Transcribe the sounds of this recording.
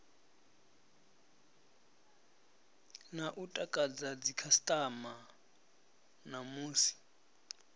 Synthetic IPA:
naʔutʼakʼad͡zad͡zikʰastʼama | namuːsi̥

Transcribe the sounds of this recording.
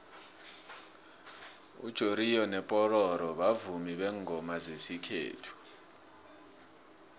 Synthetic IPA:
ṵd̥ʒ̥ʱoɾijɔnɛpʼɔrɔɾɔɓavumiɓɛŋʱɔmazesikʰḛːtʰu̥

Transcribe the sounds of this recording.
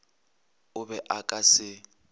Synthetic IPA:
ʊbɛʔakʼasɪ

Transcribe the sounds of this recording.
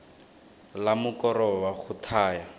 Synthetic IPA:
lamʊkɔɾɔwaχʊtʰaːja

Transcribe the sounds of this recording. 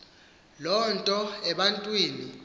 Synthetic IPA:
lɔntʼɔɛɓantʼwiːni

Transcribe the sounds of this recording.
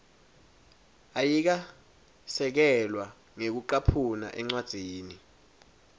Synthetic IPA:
ajik̬a | sɛk̬ɛlwa | ŋek̬uǃapʰuna̰ʔɛŋ͡ǀwad̥z̥ʱiːni

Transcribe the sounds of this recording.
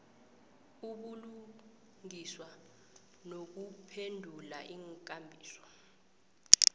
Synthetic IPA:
uɓulu | ŋiswa | nok̬upʰendʱulaʔiŋkʼambʱiːsɔ̥

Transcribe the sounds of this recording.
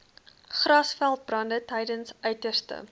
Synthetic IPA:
χrɐsfælˠt̚brɐndətɛjdənsœɥtərstə̰

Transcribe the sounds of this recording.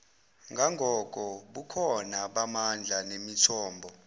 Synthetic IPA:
ŋɡʱaŋɡʱɔkʼɔɓukʰɔnaɓamand͡ɮʱanemitʰɔːmbʱɔ

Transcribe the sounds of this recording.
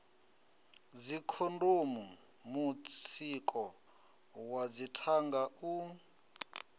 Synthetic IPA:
d͡zikʰondomu | mut͡sʰikʼɔ | wad͡zitʰaŋɡau

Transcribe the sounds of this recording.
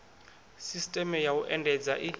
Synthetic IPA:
sistʼɛmɛjauʔɛndʱɛd͡zaʔi

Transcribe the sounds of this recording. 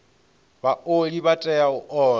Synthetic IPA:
baoɺiβatʼɛaʊʔɔː

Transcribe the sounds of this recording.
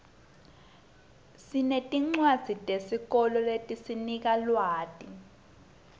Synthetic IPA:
sinetʼiŋ͡ǀwad̥z̥ʱitʼesik̬ɔlɔletʼisinik̬alwaːtʼi

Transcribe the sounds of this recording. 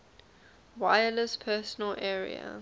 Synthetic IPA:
waɪələspʰɛːˑsənəlʔɛːɹḭə̰

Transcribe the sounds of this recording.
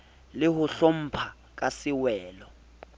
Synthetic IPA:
lɪɦʊɬom̩pʰa | k̬ʼasɪwɛːlɔ

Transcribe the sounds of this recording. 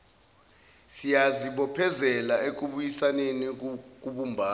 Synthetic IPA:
sijaziɓɔpʰɛzɛlaek̬uɓujisanenik̬uɓumbʱaː

